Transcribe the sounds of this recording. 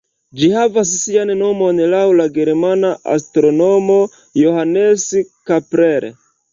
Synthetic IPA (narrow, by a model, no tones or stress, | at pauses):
d͡ʒihavas̬sianno̞mo̞nlawlaɡe̞ɾmanaʔa̰stɾo̞nomo̞ | johaneskapɾeɾḛ